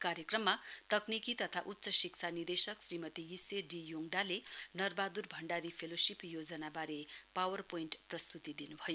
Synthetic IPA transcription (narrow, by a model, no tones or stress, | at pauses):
kaɾjekrʌmːat̪ʌknikit̪ʌt̪ʰaʔut̪ːsʌsikt͡sʰanird̪esʌksrimʌt̪ijiseɖijoŋɖalenʌrbad̪urbʱʌɳɖaɾipʰelosipʰjod͡zʌnabaɾepawʌrpoinʈprʌst̪ut̪id̪inubʱʌjo